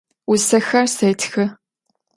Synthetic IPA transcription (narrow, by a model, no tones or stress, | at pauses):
ʊsɐxɐrsejtʰxɨ